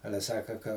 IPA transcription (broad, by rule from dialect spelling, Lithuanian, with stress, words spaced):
ˈɑːlʲɛ ˈsɑːkɐ kɐ